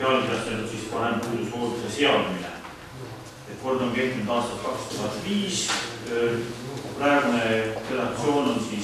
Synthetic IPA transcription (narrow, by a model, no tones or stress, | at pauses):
eɑlit̪æst̪eld̪ut̪sispɑɾe̞mpuːd̪usoːd̪̥iseseɑd̪milḛ | et̪̚ːko̞rd̪̥o̞nke̞ht̪inud̪̥ɑːst̪ɑt̪̚kɑkst̪uɦɑt̪ːˑviːs | præːɡnere̞d̪ɑk̚t̪sio̞ːno̞nsi